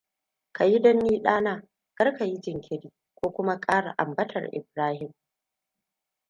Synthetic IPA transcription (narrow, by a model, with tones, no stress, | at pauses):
ka˨ji˦dɔ˦nːiː˦ɗaː˦naː˦˨ | ɡ̥ɐ˦rka˨ji˦d͡ʒɪ˨ŋkʲʰɪ˦ɽiː˦ | kʷoː˦kʷʊ˦ma˦kʼaː˦ɽa̰˨ʔa˨mbɐ˦tʰɐ̰˨rʔɪ̰˨b̚ɾaː˦hɪ˦m